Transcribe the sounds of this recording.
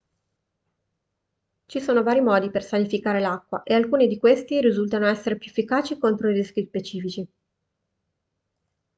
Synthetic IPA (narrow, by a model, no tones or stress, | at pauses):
t͡ʃisoːnovaːɾimɔːd̪ipersanifikaːɾelakːwaʔealkuːnid̪ikwest̪iɾizult̪anoɛsːeɾepjuefːikaːt͡ʃikont̪ɾoiriskʲjispet͡ʃiːfit͡ʃi